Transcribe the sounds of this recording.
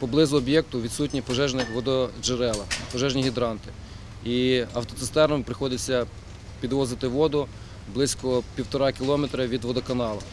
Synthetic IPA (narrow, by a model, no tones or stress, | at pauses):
pɔblˠɪzʊɔbʲjɛk̚t̪ʊʋʲid̪sut̚ʲnʲipɔʒɛʒnɛʋɔd̪ɔd͡ʒeɾɛlˠɐpɔʒɛʒnʲiɦʲid̪ɾɑnt̪ɪ̥ | iɐwt̪ɔt̪ɪst̪ɛɾnɔmpɾɪxɔd̪ɪt͡sʲːɐ | pʲid̪ʋɔzɪt̪ɪʋɔd̪ʊ | blˠɪsʲkɔpʲiwt̪ɔɾɑkʲilˠɔmet̪ɾɐʋʲid̪ʋɔd̪ɔkɐnɑlˠɐ̰